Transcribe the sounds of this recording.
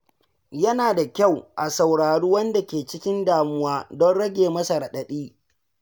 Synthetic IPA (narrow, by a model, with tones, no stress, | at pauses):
jɐ˦naː˨da˨kʲa˦˨wʔa˨sa˨wɽaː˨ɽuː˦wɐ˦nda˨kʲeː˨t͡ʃɪ˦kʲɪ˦ndaː˨mʊ˦waː˦dɔ˦nɽɐ˦ɡʲeː˨mɐ˦sa˨ɾɐ˨ɗɐ˨ɗiː˦